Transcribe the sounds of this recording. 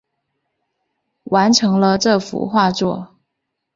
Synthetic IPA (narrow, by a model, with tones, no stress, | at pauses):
wʔa˧˥nʈ͡ʂʰɤ˧˥ŋlə˧ʈ͡ʂɤ˥˩fṵ˧˥xwa˥˧t͡swɔ˥˩